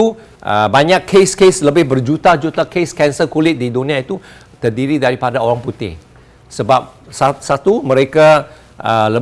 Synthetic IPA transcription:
u | ʔə̰baɲãkʰːeskesləbɪhbərd͡ʒut̪ad͡ʒut̪akeskɛnsəkulɪt̪̚didunĩãit̪u | t̪ərdiɾidaɾipadaoɾaŋput̪ɪ̰h | səbap̚sasat̪umə̃ɾeka | ələ

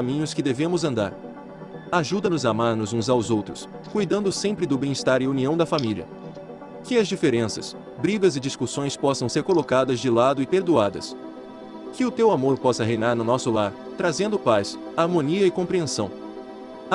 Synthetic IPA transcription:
amĩɲʊskɪd̪evẽmʊzɐ̃nd̪a̰ɾ | aʒud̪ɐnʊzamaɾnʊzũzawzowt̪ɾʊs | kujd̪ɐ̃nd̪ʊsẽmpɾɪd̪ʊbẽj̃ɪst̪aɾɪuniɐ̃w̃d̪ɐfamilʲiɐ̰ | kɪɐzd͡ʒifeɾẽsɐ̰s | bɾiɡɐzɪd͡ʒiskusõj̃spɔsɐ̃w̃seɾkolokad̪ɐzd͡ʒɪlad̪ʊɪpeɾd̪uad̪ɐ̰s | kɪʊt̪ewamoɾpɔsɐɦejnaɾnʊnɔsʊlaɾ | t̪ɾazẽnd̪ʊpajsaɾmõniɐɪkõpɾiẽsɐ̃w̃

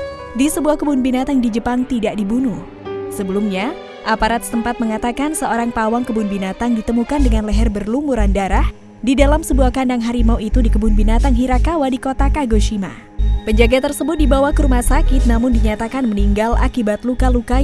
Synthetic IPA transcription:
disəbuahkəbʊnbinat̪aŋdid͡ʒəpaŋt̪idaʔdibunu | səbəlumɲa | ʔapaɾat̪̚səmpat̪̚məŋat̪akansəoɾaŋpawaŋkəbʊnbinat̪aŋdit̪əmukandəŋanlɛɦɛrbərlumuɾandaɾah | didalamsəbuahkandaŋɦaɾimauit̪udikəbʊnbinat̪aŋɦiɾakawadikot̪akaɡoʃima̰ | pəɲd͡ʒaɡat̪ərsəbʊt̪̚dibawahkəɾumasakɪt̪̚namʊndiɲat̪akanməniŋɡala̰kibat̪lukaluka

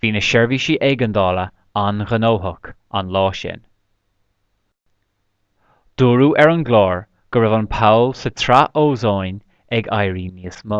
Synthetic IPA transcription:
v̥iːnəʃɛɹviːʃiːʔɛɡənd̪ɑːlə | anɣənoːɦʊk | a̰nlɑːʃɛ̰n | d̪̥uːɹuːʔɛɹənɡlɑːɹ | ɡ̥əɹɪvənpʰawlsət̪ʰɾaʔoːzojn | ɛɡajɹiːniəsmo

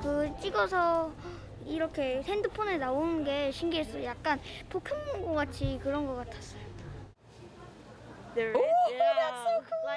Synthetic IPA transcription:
kɯt͡ɕ͈iɡʌsʰʌ | iɾʌkʰe̞sʰendɯpʰonenaonɯnɡe̞ɕʰiŋɡiɦe̞s͈ʌjojak̚k͈anpʰokʰɯmɡoɡ͈at͡ɕʰikɯɾʌnɡʌk͈atʰḁs͈ʌjo | asokʰɯɡ

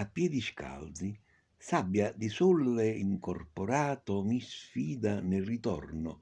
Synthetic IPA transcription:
apːjɛd̪iʃka̰ld̪zi | sabːjad̪isulvɛiŋkɔrpɔɾaːt̪ɔmisfiːd̪anɪrit̪ɔ̰rnʊ̰

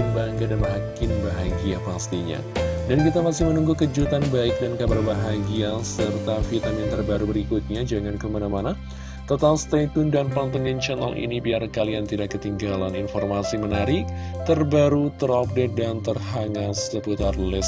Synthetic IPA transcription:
baŋɡadanməɦakɪnbaɦaɡiapast̪iɲa̰dankit̪amasɪhmənuŋɡukəd͡ʒut̪anbaɪk̚dankabarbaɦaɡiasərt̪afit̪amɪnt̪ərbaɾubəɾikut̪̚ɲad͡ʒaŋankəmanamana | t̪ot̪alst̪at̪undanpaŋt̪əŋint͡ʃɛna̰lḭnibiarkaliaŋt̪idakːət̪iŋɡalaninfɔrmasimənaɾɪ | t̪ərbaɾut̪əɾɔp̚dɛt̪̚dant̪ərɦaŋasəput̪arlɪs

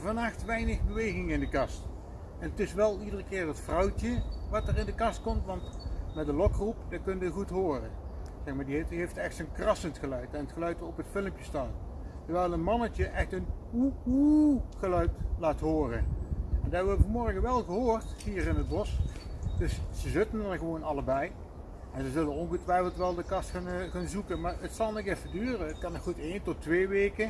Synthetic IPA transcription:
vɑnaxtʋɛjnəɣbəʋejɣɪŋɪndəkɑst | ɛnətɪsʋɛlˠidərəkɪːɹətfrɑwtəʋɑtərɪndəkɑst̚kɔmtʋɑntmɛdəlɔkrupdɑkɵnəʋəɣutɦoːrə̰ | z̥ɛxmaːɹdiɦeɦejftɛxtsənkrɑsəntxəlœɥtɛnətxəlœɥtɔpətfɪləmpjəstaːn | təɹʋɛjlˠənmɑnət͡ʃəʔɛxtənuuɣəlœɥtlaːtɦoːrəɛndaɛbʋbəvəmɔɹɣəʋɛlˠɣəɦoːrtɦiːrɪnɦəd̚bɔsd̥ɵssəzɪtəndɑnɣəʋownɑləbɛj | ɛnzəzɵlənɔnɣətʋɛjfəlˠtʋɛlˠdəkɑsknxaːnzukənmaːɹətsɑlˠnɪkɛfədyːrəətkɑnɔxutejntɔtʋeːʋeːkə

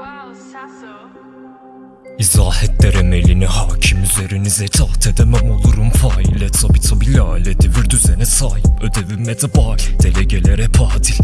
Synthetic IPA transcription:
izaːhɛt̪̚d̪ɛɾɛmelʲinihaːcʰimyzeɾinizɛt̪ʰaːt̪ʰɛd̪ɛmɛmolˠuɾumfaːilʲɛt̪ʰabit̪ʰabilʲalʲɛd̪eviɾd̪yzɛnɛsaːɦipʰød̪evimɛd̪ɛbaːld̪̥elɛɟelɛɾɛpʰaːt̪ʰilʲ

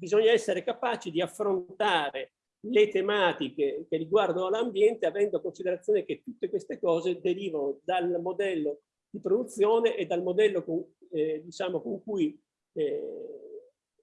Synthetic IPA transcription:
bizoɲːaɛsːeɾekapaːt͡ʃid̪iafːɾont̪aːɾe | let̪emaːt̪ikekerːiɡward̪onoalːambjɛnt̪eavɛnd̪okonsid̪eɾat̪sjoːneket̪ːut̪ːekwest̪ekɔːzed̪eɾiːvanod̪almod̪ɛlːo | d̪̥ipɾod̪ut̪sːjoːneʔed̪ːalmod̪ɛlːokod̪it͡ʃaːmokoŋkuj

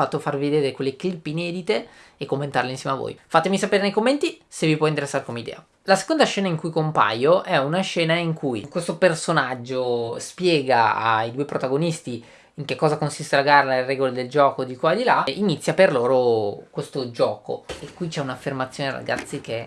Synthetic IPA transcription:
at̪ːofarvied̪eːɾekwelːeklipːeinɛːd̪it̪eekːomːent̪a̰rleinsjɛmeavːo̰jfat̪emisapeːɾenejkomːent̪isevipwɔint̪eɾesːaɾekomeid̪ɛ̰ːa | lase̥kond̪aʃɛːnaiŋkujkompa̰joʔɛunaʃɛːnaiŋkujkwest̪opersonad͡ʒːospjɛːɡaa̰jd̪uepɾot̪aɡonist̪i | iŋkekːɔːzakonsist̪elaɡaralerɛɡoled̪eld͡ʒɔːkod̪ikwad̪ilainit̪sːjaperloːɾokwest̪od͡ʒɔːko̰ekːwit͡ʃɛunafːermat̪sːjoːneɾa̰ɡa̰t̪sːike

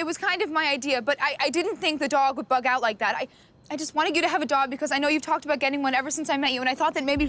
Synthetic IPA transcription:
ɨt̚wʌz̥kʰãɪ̃ndʌvmaɪaɪdiɨbʌɾaɪʔaɪdɪdⁿn̩θɪ̃ŋk̚ðɨdɔɡwəd̚bʌɡaʊtˡlaɪk̚ðæɾa̰ɪ | aɪd͡ʒʌst̚wɑ̃ɾ̃ɨd͡ʒjɨɾɨːvɨdɔɡ̚bɨkʰʌzaɪnoʊjʉv̥tʰɔk̚təbaʊt̚ɡ̥ɛɾɪ̃ŋwʌ̃nɛvə˞sɪ̃nsaɪmɛt͡ʃɨə̃naɪθɔt̪̚ðɨt̚meɪbi

